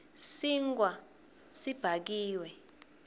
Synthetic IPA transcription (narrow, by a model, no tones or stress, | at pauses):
siŋɡwa | sib̥ʱak̬iːwɛ